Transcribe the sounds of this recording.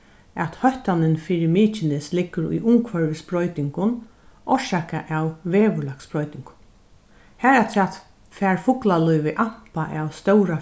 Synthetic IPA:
ɛt̪hœht̪anɪnfiːɾɪmiːt͡ʃɪnɪslɪkːʊɾʊ̰jʔʊŋkʰvœɹʋɪspɾɔjt̪ɪŋkʊn | ʔɔʂaka̰ʔawveːʋʊlaksbɾɔjt̪ɪŋkʊ̥n | hæːɾat̪ʰɛːt̪ | fɛːɹfʊklalɔjʋɪʔampaʔawst̪œwɾa

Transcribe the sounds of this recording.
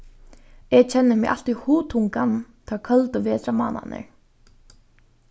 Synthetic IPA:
ɛɣt͡ɕʰɛnːɪmɛʔa̰l̥t̪ihuːt̪ʰuŋkant̪ʰaːkʰœlt̪ʏvɛːt̪ɾama̰ːna̰nɪ̰ɹ

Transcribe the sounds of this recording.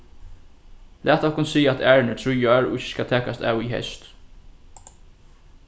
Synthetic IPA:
lʔæːt̪ɔhkʊnsiːɛt̪æːɹɪnət̪ʰɾujaɹɔɪçːɪ̥skat̪ʰɛːkast̪æ̰ːwiɦɛ̰st̪

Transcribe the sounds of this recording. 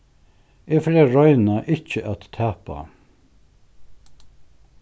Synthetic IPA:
ɛfɾɛɹɔʏnaʔɪt͡ʃəʔat̪ʰːæːpa̰

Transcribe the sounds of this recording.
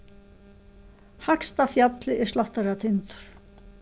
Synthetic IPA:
hakst̪afjat̪lɪʔɛ̥slaht̪aɾat̪ʰɪnt̪ʏ̥ɾ̥

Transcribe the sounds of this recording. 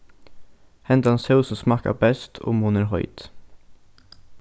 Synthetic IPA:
hɛnd̪ɑnsəʉsɔm̩smɑkɑ̰bɛst̪ʰo̰ːmuːnəɾɦɔʏt̪

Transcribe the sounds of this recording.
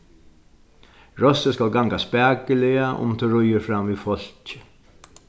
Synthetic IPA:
ɹɔsəskalɡaŋkaspæːkəlɪaʔʊ̰mt̪ʰɪɹʊjəfɾamʋiːfɔl̥t͡ʃɪ̥

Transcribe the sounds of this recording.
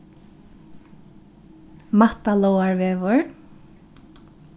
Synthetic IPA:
mat̪alowaɹvɛːvʊɹ

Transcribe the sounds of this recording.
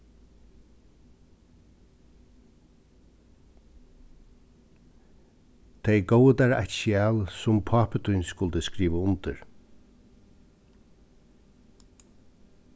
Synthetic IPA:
t̪ʰejɡowəd̪aɹa̰t͡ʃɪɛːlsʊmpʰɑːpət̪ʰʊjnskʊlt̪əskɾiːʋəʊnt̪əɹ

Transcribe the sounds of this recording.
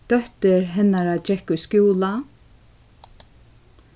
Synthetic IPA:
d̪̥œht̪ɪɾɦɛnːaɾad͡ʒɛhkʊskjuːla

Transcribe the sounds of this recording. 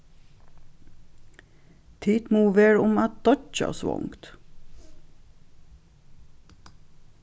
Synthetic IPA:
t̪ʰiːt̪muːʋeːɹʊmɑt̪̚d̪̥ɔt͡ʃɑ̰sʋɔ̰ŋkt̪

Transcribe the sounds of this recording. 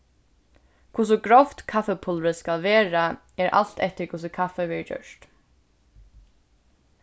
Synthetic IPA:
kʰʊs̬ʊɡɹɔft̪kʰafɛpʰʊlɾəskalʋeːɹa | ɛɹʔa̰l̥t̪ɛht̪ɪɹkʰʊs̬ɪkʰafɛʋɛːɹəd͡ʒœ̰ʂt̪

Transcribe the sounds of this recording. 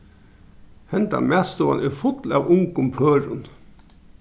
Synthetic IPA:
hɛnd̪ɑ̰ːmæːst̪oɑ̰nʔeːfʊt̪lɑːʋʊŋkʊmpʰøːɾʊn

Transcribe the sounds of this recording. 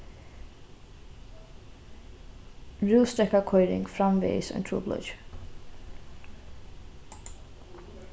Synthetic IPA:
ɹʉːst̪ɾɛkakʰɔʏɾɪ̰ŋɡfɾɑmʋḛːsœ̰nt̪ʰṵːblɔ̰d͡ʒ

